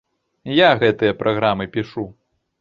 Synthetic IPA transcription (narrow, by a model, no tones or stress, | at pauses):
jaɣɛt̪ɨjɐpɾʔaɣɾamɨpʲiʂu